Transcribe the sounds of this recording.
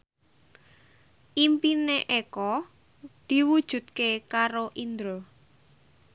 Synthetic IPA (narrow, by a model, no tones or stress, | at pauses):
ʔimpineʔekɔ | d̪̥i̤wud̥ʒ̥ṳt̪̚kekaɾoʔind̪ɾɔ